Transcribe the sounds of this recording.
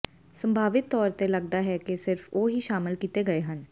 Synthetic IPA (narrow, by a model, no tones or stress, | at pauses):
sə̃mbʱaːʋɪt̪ːɔːɾt̪eləɡ̚d̪aːɦɛːkesɪɾfoːɦiːʃaːmɪlkiːt̪eːɡəeːɦən